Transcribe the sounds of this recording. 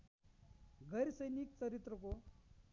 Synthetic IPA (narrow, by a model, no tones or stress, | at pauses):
ɡʱəjɾsəjnik̚t͡səɾit̪ɾəko